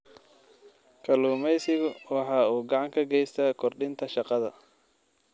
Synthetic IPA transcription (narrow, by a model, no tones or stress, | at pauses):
kʰɐluːmɛjsɪɣʊwɑħɑːuːɡɑʕɑŋkʰɐɡɛjst̪ʰɐkʰɔrɖɪnt̪ʰɐʃɑqɑðɐ̰